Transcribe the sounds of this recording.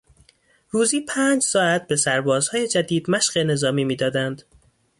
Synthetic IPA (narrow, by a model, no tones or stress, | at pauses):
ruːziːpʰæːnd͡ʒsɒːæt̪̚ʰbe̞sæɾbɒːz̥hɒːje̞d͡ʒæd̪iːd̪mæʃɢe̞ne̞zɒːmiːmiːd̪ɒːd̪ænd̪̥